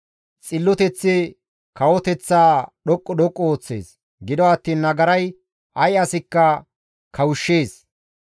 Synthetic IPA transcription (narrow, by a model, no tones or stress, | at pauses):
t͡sʼɪlːɔt̪ɛt͡sːɪ | kɐwɔt̪ɛt͡sːaːɗɔkʼːɔɗɔkʼːɔoːt͡sːe̞̰ːs | ɡɪd̪ɔɐt̪ːiːnːɐɡɐɾɐj | ʔɐjɐsɪkːɐ | kʰɐwʊʃːe̞ːs